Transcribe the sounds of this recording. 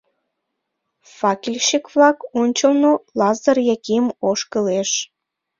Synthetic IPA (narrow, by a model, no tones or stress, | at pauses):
fɑkʲilʲʃikβlɑkonʲt͡ɕəlnolɑzərjækimoʃkəleʃ